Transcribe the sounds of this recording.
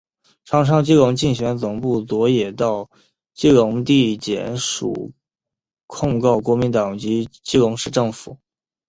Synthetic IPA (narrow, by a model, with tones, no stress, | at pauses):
ʈ͡ʂʰɑ˧˥ŋʈ͡ʂʰɑ˥ŋt͡ɕi˥lʊ˧˥ŋt͡ɕi˥˩ŋɕɥɛ˧˥nt͡sʊ˨˩ŋpu˥˩t͡swɔ˧˥jɛ˨˩t̪ɑ˥˧ʊ | t͡ɕi˥˩lʊ˧˥ŋt̪i˥˩t͡ɕjɛ̰˧˥nʂṵ˨˩ | kʰʊ˥˧ŋkɑ˥˩ʊkwɔ˧˥mi˧˥nt̪ɑ˨˩ŋt͡ɕi˧˥t͡ɕi˥lʊ˧˥ŋʂɻ̩˥˧ʈ͡ʂɤ˥˩ŋfu˨˩˦